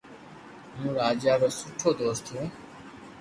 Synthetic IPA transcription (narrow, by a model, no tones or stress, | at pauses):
jũːɾaːd͡ʒaːɾoːsʊʈʰoːd̪oːst̪ʰũː